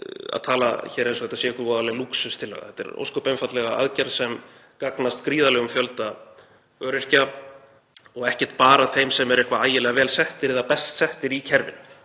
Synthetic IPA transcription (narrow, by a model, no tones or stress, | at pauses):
a̰ðt̪ʰaːla̰çɛːɾejnsɔhɛt̪asɛːɛkvaɾvɔːɾðalɛɣaluksʏst̪ʰɪlːa̰ɣa̰θɛ̥t̪ːɛ̰ɾo̰wskɔpejnfat̪lɛɣaa̰ðcɛɾsɛm | kaknast̪kɾiːðalɛɣʏmfjœlt̪a | œːɾɪr̥ca | ɔɣɛhcɛ̥ɾ̥t̪paːɾaθejmsɛmɛɾejhkvaaːjɪlɛːɣavɛːlsɛht̪ɪɾɪðapɛst̪sɛht̪ɪɾicʰɛɾvɪ̰n